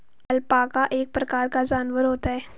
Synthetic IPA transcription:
ɐlpaːkaʔeːk̚pɾɐkaːɾkad͡ʒaːnʋəɾɦoːt̪aɦɛː

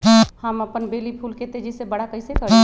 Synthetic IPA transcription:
ɦhəməpənbelipʰulket̪ed͡ʒəsebəɽakəɪsekəɾ

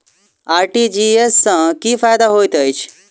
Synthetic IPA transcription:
aːɾʈid͡ʒiːesːãkiːfaːjd̪aɦoːit̪əit͡ʃʰ

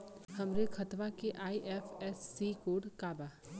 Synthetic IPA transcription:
hɐmɾekʰɐt̪ʋakeʔaːiʔɛːfʰɛsːiːkoːɖkaːbaː

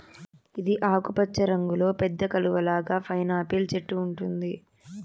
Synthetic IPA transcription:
id̪iʔaːkupɐt͡ʃːɐɾɐŋɡulo̞ːpɛd̪ːɐkɐluʋɐlaːɡaːpʰɐjnaːpiːlt͡ʃeʈːuːɳʈund̪i

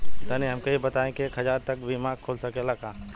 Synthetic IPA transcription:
t̪ɐniɦɐmkɐibɐt̪aːẽkeekɦɐzaːɾt̪ɐk̚bʱimaːɡ̚kʰoːlsɐkelakaː

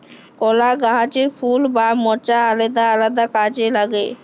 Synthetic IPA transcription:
kɔlaɡaɦat͡ʃeɾfʰulbamɔt͡ʃaaled̪aalad̪akad͡ʑelaɡe

